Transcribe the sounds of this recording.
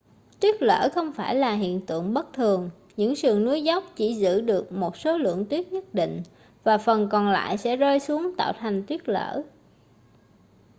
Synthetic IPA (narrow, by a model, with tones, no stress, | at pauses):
t̪wi˦˥ət̚lə̰ː˧˩xə˧wŋ͡mfaː˧˩jlaː˨˩ɦḭ˧˨ənt̪ɨ̰˧˨əŋɓə˦˥t̚t̪ʰɨ˨˩əŋ | ɲɨ̰˧˥ŋsɨ˨˩əŋnu˨˦jza˦˥wk͡p̚t͡ɕi˧˩zɨ̰˧˥ɗɨ˨˩ək̚mo˨˩t̚so˨˦lɨ̰˧˨əŋt̪wi˦˥ət̚ɲə˦˥t̚ɗḭ˧˨ŋ̟ | vaː˨˩fə˨˩nkɔ˨˩nla̰ː˧˨jsɛ̰˧˥zəː˧jsu˨˦əŋt̪a̰ː˧˨wt̪ʰa˨˩jŋ̟t̪wi˦˥ət̚lə̰ː˧˩˥